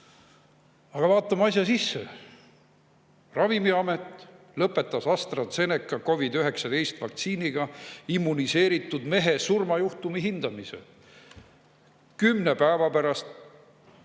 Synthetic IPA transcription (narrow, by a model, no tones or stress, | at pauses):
ɑɡ̥ɑvɑːt̪ˑːɑmɑsʲjɑsisːḛ | rɑvimiɑmet̪ːˑ | lɤpːˑe̞t̪ːˑɑsɑst̪rɑt̪se̞nekːˑɑko̞vid̪yɦe̞ksɑd̪̥e̞jst̪vɑk̚t̪siːniɡ̥ɑimːunise̞ːɾit̪ːˑud̪̥me̞ɦe̞surmɑjuht̪umiɦind̪̥ɑmise̞̰ | kymne̞pæevɑpæɾɑst̪